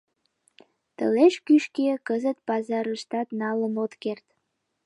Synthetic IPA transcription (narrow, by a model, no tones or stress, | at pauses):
t̪ə̰leʃkyʃkekəzət̪̚pɑzɑɾəʃt̪ɑt̪nɑləmot̪kert̪